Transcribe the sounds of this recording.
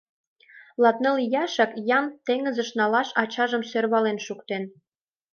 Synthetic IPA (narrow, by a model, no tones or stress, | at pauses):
lɑt̪nɤlijɑʃəkjɑmt̪eŋə̆zə̆ʃnɑlɑʃɑt͡ɕɑʒə̆msørβɑlenʃukt̪en